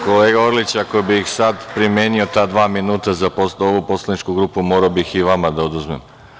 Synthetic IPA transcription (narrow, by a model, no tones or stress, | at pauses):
ko̞leːɡao̞ɾlit͡ɕakobixsad̪pɾimjeːnio̞t̪aːd̪ʋaːminuːt̪azaposoʋupo̞slˠanit͡ʃkuɡɾuːpumoɾaobixiʋamad̪aod̪uzmem